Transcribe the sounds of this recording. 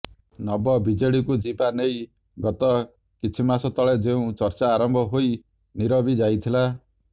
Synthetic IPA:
nɔbɔbid͡ʒeɽikud͡ʒibanej | ɡɔt̪ɔ | kit͡ʃʰimasɔt̪ɔɭed͡ʒeũt͡ʃɔɾt͡ʃaːɾɔmbʱɔɦoj | niɾɔbid͡ʒajt̪ʰila

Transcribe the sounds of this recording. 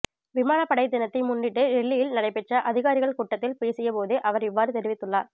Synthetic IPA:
ʋɪmaːnɐpːɐɽɐɪd̪ɪnɐt̪ːɐɪmʊɳɖɪʈːɯɾɛɭːɪjɪlnɐɽɐɪpːɛʈrɐʔɐðɪɣaːɾɪɣɐɭkuːʈːɐt̪ːɪlpeːsɪjɐpoːðɯʔɐʋɐɾɪʋːaːɾɯt̪ɛɾɪʋɪt̪ːɯɭːaːɾ

